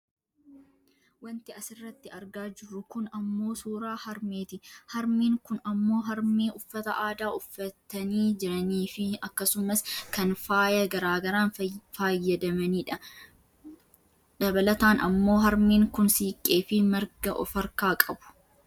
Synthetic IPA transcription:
wɐnt̪ɪɐsɪrːɐt̪ːɪɐɾɡaːd͡ʒɪrːʊkʊnɐmːo̞ːsuːɾaːhɐɾmeːt̪ɪhɐɾmiːŋkʊnɐmːo̞ːɦɐɾmeːʔʊfːɐt̪ɐʔaːd̪aːʔʊfːɐt̪ːɐniːd͡ʒɪɾɐniːfɪɐkːɐsʊmɐskɐnfaːjɐɡɐɾaːɡɐɾaːnfaːjːɐd̪ɐmɐniːᶑɐ | dɐbɐlɐt̪aːnɐ̰mːo̞ːɦɐɾmiːŋkʊnsiːkʼːe̞ːfɪmɐɾɡɐʔɔfɐɾkaːkʼɐbʊ̥

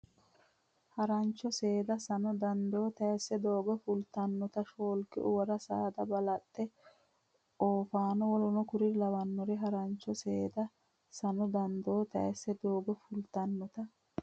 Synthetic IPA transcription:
hɐɾɐnt͡ʃːɔseːd̪ɐsɐnɔd̪ɐnd̪oːt̪ɐɛsːɛd̪o̞ːɡɔfʊlt̪ɐnːɔt̪ɐʃoːlkɪʔʊ̰wɐɾɐsaːd̪ɐbɐlɐt̪ʼːɛ | oːfaːnɔwɔlɔnɔkʊɾɪlɐwɐnːɔɾɛɦɐɾɐnt͡ʃːɔseːd̪ɐ | sɐnɔd̪ɐnd̪oːt̪ɐ̰ɛsːɛd̪oːɡɔfʊlt̪ɐnːɔt̪ɐ

